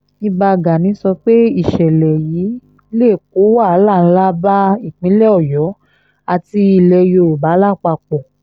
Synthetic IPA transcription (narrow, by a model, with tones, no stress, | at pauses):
i˧ba˧ɡa˨nĩ˨˦sɔ˧k͡pe˦i˦˨ʃɛ˨lɛ˨jiː˨˦ | le˦˨k̚o˨˦wa˦˨˦lã˦˨˦la˦ba˦i˦˨k͡pĩ˨˦lɛ˦ɔ˦˨jɔ˨˦ | a˧˨ti˧i˧˨lɛ˧jo˧˨ɾo˨ba˨˦la˦˨k͡pa˧k͡pɔ˨